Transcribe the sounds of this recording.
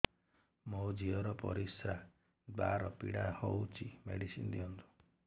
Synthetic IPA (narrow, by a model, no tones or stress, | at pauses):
mɔwd͡ʒiɔɾɔpɔ̰ɾisɾa | d̪waɾɔpḭɽahowt͡ʃʰimḛɽisḭnd̪iɔnt̪u̥